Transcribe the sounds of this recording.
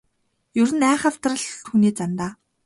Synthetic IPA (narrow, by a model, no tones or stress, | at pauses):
jɵɾɘ̆næːχăw̥t̪rə̆ɮxuniːt͡sant̪aː